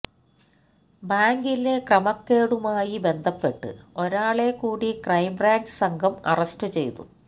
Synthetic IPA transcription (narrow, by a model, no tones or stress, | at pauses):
baːŋɡilekrɐmɐkːeːɽumaːjibe̞nd̪ʱɐpːe̞ʈːɨ̰o̞ɾaːɭekːuːɽikrɐjmraːɲd͡ʑɨsɐŋɡʱɐmɐ̰rɐstɨt͡ɕe̞̰jt̪ṵ